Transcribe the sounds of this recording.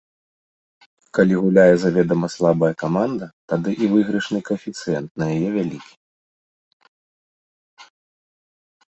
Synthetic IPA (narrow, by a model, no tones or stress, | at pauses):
kalʲiɣulʲajɛzavʲɛd̪ɐmɐslˠabɐjɐkamand̪ɐt̪ad̪ɨʔivɨɣɾɨʂnɨkɐɛfʲit̪sɨjɛnt̪̚nɐjajɛvʲalʲikʲi̥